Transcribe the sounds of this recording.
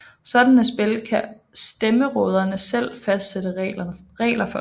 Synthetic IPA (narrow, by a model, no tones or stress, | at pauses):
sɒ̽d̥ænæsb̥e̝lkʰæ | sd̥eməʁɔ̽ːð̞ˠɐnəsel̰fæsd̥sed̥əʁɐʁɛ̰ːlɐfɒ